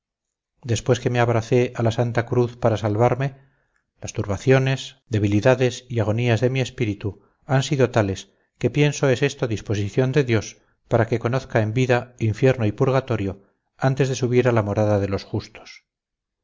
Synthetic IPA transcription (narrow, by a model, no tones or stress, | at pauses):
d̪e̞spwe̞ske̞meaβɾaθe̞ʔalasant̪akɾuθpaɾasalβaɾme̞ | last̪uɾβaθjo̞ne̞sd̪e̞β̞iliðaðe̞siaɣ̞o̞niazðe̞mie̞spiɾit̪u | ansiðo̞t̪ale̞s | ke̞pje̞nso̞ese̞st̪oðispo̞s̬iθjo̞nd̪e̞ðjo̞s | paɾake̞ko̞no̞θkaembiðaiɱfje̞ɾnoipuɾɣat̪o̞ɾjo̞ | ant̪e̞zðe̞suβ̞iɾalamo̞ɾaðaðe̞lo̞sxust̪o̥s